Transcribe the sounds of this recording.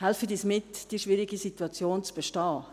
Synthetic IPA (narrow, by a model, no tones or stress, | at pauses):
hɛlfədiːsmɪtd̥iːəʃvɪɾiɡisituɑt͡sjoːnt͡sb̥ɛʃtɑː